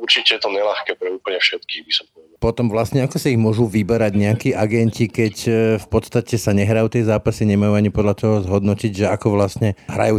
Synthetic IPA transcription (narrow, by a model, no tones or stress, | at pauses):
uɾt͡ʃicɛjɛt̪ɔɲɛlaxkɛːpɾɛuːpl̩ɲɛfʃɛt̪kiːɣbisɔmpɔʋɛd̪pɔt̪ɔmʋlasɲɛakɔsaiɣmʊɔʒuʋibɛɾaɟɲɛakiːʔaɡɛncikɛcfpɔt̪st̪acɛsaɲɛɦɾajuːt̪ɛjzaːpasiɲɛmajuaɲipɔd̪lʎat̪ɔɦɔzɦɔd̪nɔciɟʒɛakɔʋlastɲɛɦɾa̰juː